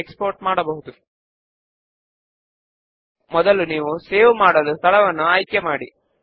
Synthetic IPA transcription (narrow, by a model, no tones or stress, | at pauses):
ekspoːɾʈmaːɽɐbɐɦud̪u | mɔd̪ɐluniːʋuseːʋmaːɽɐd̪ɐst̪ʰɐɭɐʋɐnːuaːjkjɐmaːɽḭ